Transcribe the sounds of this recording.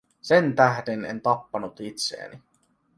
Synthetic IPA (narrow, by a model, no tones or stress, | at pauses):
sent̪æɦdene̞̰nt̪ɑpːɑnut̪it̪sḛːni